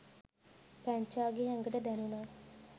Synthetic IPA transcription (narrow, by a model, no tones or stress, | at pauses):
pæɲt͡ʃaːɡeɦɛŋɡəʈəd̪ɛnuna